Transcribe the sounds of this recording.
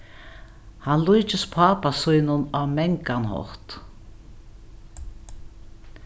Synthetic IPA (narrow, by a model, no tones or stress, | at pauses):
hanlujt͡ʃɪspʰaːpasujnʊnamɛŋkanhɔ̰ht̪